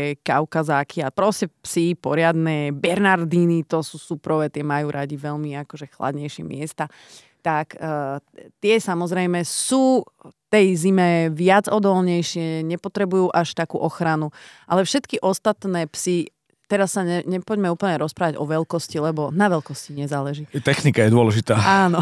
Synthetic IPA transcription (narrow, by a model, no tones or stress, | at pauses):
kaʊkazaːkʰiapɾɔscɛpsipɔɾɪad̪nɛbɛɾnaɾd̪iːnit̪ɔsuːsupɾɔʋɛt̪ɪɛmajuːɾʔaɟiʋɛʎmiakɔʒɛxla̰d̪ɲɛjʃɪɛmɪɛst̪a | t̪ak | t̪ɪɛsamɔzɾɛjmɛsuː | t̪ɛjzimɛʋɪad͡zɔd̪ɔlɲɛjʃɪɛɲɛpɔt̪ɾɛbujuːʔaʃt̪akṵːʔɔxɾanuʔalɛfʃɛt̪kiʔɔst̪at̪nɛːpsi | t̪ɛɾasːaɲɛɲɛpɔɟmɛuːpl̩ɲɛɾɔspɾaːʋaɟɔʋɛlkɔscilɛbɔnaʋɛlkɔsciɲɛzaːlɛʒit̪ɛxnikajɛd̪ʊɔlɛʒit̪aːaːnɔ